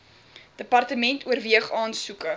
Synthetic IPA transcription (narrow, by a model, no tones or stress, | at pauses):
d̥əpɐrtəmɛntuərviəχɑːnsukə